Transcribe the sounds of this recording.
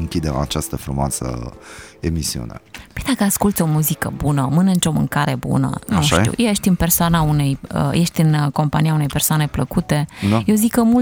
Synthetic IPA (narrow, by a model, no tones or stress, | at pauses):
ɨŋkʲid̪ema̰t͡ʃast̪əfɾumoa̰sə̰ | emisiṵna̰pejd̪akəaskult̪sʲo̞muzikəbunəmɨnɨnt̪ɾo̞mɨ̰ŋkaɾe̞bṵnə̰nuʃt̪ḭwjejeʃt̪ʲɨnpersoanaune̞jə̰je̞ʃt̪ʲɨnko̞mpanijaune̞jpe̞rsoane̞pləkut̪e̞jewzikəmul